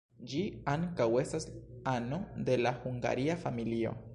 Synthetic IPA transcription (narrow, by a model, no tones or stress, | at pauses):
d͡ʒiaŋkawe̞stasano̞d̪e̞laxuŋɡa̰ɾiafamilio̞̰